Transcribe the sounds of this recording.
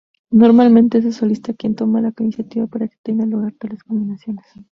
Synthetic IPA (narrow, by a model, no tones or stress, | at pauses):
no̞ɾmalmẽ̞nt̪ees̬eso̞list̪akje̞nt̪o̞malakinisjat̪iβapaɾake̥t̪e̞ŋɡaluɣaɾt̪aleskombinasjo̞nes